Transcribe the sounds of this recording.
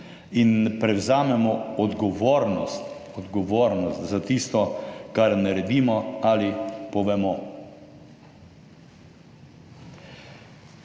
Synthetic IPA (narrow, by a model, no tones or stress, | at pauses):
inpɾɛwzaːmɛmɔɔd̪ɡɔʋoːɾnɔst̪ɔd̪ɡɔʋoːɾnɔst̪zat̪ist̪ɔkaɾnaɾɛd̪iːmɔalipɔʋɛmɔ